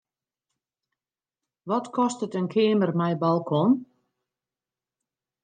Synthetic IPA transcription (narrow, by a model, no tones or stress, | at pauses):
ʋɔtkʰɔstətənkʰɪːmərmɛjbalˠkʰɔn